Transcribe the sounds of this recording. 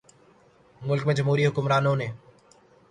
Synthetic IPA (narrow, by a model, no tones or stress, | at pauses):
mʊlkmẽːd͡ʒəmɦuːɾiːɦʊkʊmɾaːnõːnẽː